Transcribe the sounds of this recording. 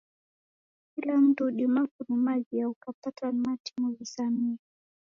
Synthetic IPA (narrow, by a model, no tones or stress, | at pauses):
kilam̩tuɗimakunumaʄiaukapatamatʰi̥muvisamia